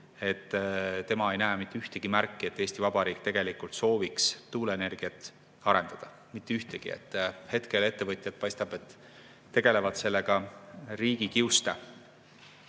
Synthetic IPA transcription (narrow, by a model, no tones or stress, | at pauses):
e̞t̪ːt̪e̞mɑe̞jnæːmit̪ˑːeyht̪eɡ̥imærkːie̞t̪ːˑeːsʲt̪ivɑbɑɾiːk̚ˑt̪e̞ɡ̥e̞likult̪so̞ːviksːuːlene̞rɡ̥iɑt̪ | ɑɾe̞nd̪̥ɑd̪̥ɑ | mit̪ːˑeyht̪eɡ̥ḭḛt̪ːˑhe̞t̪ke̞le̞t̪ːe̞vɤt̪ʲˑjɑd̪̚pɑjst̪ɑb̥e̞t̪ː | e̞ɡ̥e̞le̞vɑd̪se̞lːe̞ɡ̥ɑriːɡ̥ikiust̪e